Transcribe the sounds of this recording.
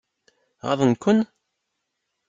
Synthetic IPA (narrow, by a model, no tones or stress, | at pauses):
ʁɑ̰ðˤənkʷːʊn